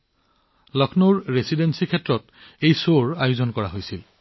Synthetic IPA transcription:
lɔkʰnoɹɹesidensikʰɛtːɹɔt | ejsoɹajuzɔnkɔɹaɦojsil

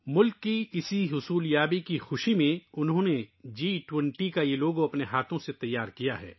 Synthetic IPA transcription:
mʊlkːiɪsiɦʊsuːljaːbikixʊʃimẽʊnɦõːned͡ʒiːʈwɛ̃ɳʈikajeloːɡõɐpneɦaːt̪ʰõset̪ɐjːaːɾkijaɦɛ̰ː

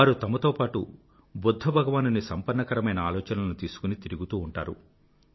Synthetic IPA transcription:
aːɾut̪ɐmɐt̪oːpaːʈṵ | bod̪ʱːɐbʱɐɡɐʋaːnunisɐmpɐɾɳːɐkɐɾɐmɐjnɐaːlɔːt͡ʃɐnɐlɐnut̪iːsu̥kunit̪iɾiɡut̪uːɳʈa̰ːɾṵ

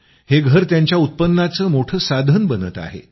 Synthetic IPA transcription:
heɡʱəɾt̪jaɲt͡ɕjaut̪̚pənːat͡səːmoʈʰəːsad̪ʱənbənət̪a̰ɦḛ

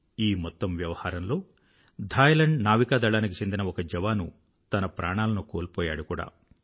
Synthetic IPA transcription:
iːmɔt̪ːɐmʋjɐʋɐhaːɾɐmlo̞ː | d̪ʱaːjɐlɐɳɖnaːʋikaːd̪ɐɭaːnikit͡ʃe̞nd̪inɐɔkɐd͡ʒɛʋaːnu | t̪ɐnɐpɾʔaːɳaːlɐnukoːlpɔːja̰ːɽukuːɽa̰ː

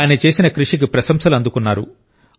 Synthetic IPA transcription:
jɐnɐt͡ʃe̞ːsinɐkɾuʂik̬ipɾɐsɐmsɐlɐnd̪ukunːaːɾṵ

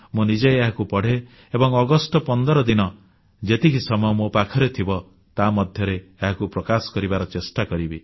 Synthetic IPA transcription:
munid͡ʒejeɦakupɔɽ̤e | ebɔŋɔɡɔsʈɔpɔnd̪ɔɾɔd̪inɔ | d͡ʒet̪ikisɔmɔjɔmopakʰɔɾet̪ʰibɔ | t̪amɔd̪ʱjɔɾeeɦakupɾɔkasɔ̥kɔɾibaɾɔt͡ʃesʈakɔɾibi

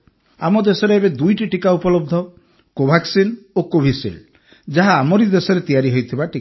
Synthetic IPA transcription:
amɔd̪esɔɾeebed̪ujʈiʈikaupɔlɔb̚d̪ʱɔ | kobʱaksinokobʱisḭl | d͡ʒaɦaːmɔɾid̪esɔɾet̪ijaɾiɦojt̪ʰibaʈi

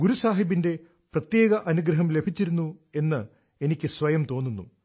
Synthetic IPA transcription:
ɡuɾusaːɦibinde̞ | prɐt̪je̞ːɡɐʔɐnuɡɾɐɦɐmle̞bʱit͡ɕːiɾunːue̞nːɨ | e̞nikʲːɨsʋɐjɐmt̪o̞ːnːunːu

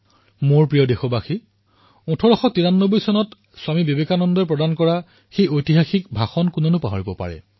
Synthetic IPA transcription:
moɹpɹijɔdexɔbaxi | ũtʰɔɹɔxɔk̚tiɹanːobɔjsɔnɔt | swamibebekanɔndɔɹp̬ɹɔdankɔɹa | xejojtiɦaxikbʱaxɔnkʊnɔnʊpa̰ɦɔɹibɔpa̰ɹɛ̰

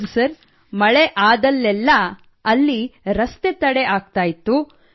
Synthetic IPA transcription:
usɐɾ | mɐɭeʔaːd̪ɐlːɛlːɐ | ɐlːiɾɐst̪et̪ɐɽeʔaːɡ̚t̪aːjit̪ːu

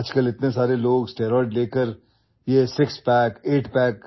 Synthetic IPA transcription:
ɐd͡ʒkəlɪt̪nesaːɾeloːɡsʈeːɾɔːɖleːkəɾ | jesɪkspɛːkeːʈpɛːk

